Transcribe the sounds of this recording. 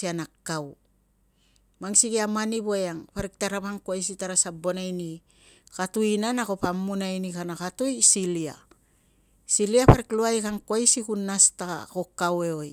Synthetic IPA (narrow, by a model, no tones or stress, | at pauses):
ianakːaw | maŋsiɡiamaniβojaŋpaɾik̚taɾapaŋkoajs̬itaɾasabo̞najni | katuinanako̞pamːunajnikanakatojsilia̰ | siliapaɾikluajkaŋkwajsikunːasta̰ko̞kːawe̞oj